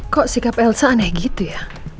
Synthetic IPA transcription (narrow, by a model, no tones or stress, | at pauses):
kɔʔsikapɛlsanɛhɡit̪uja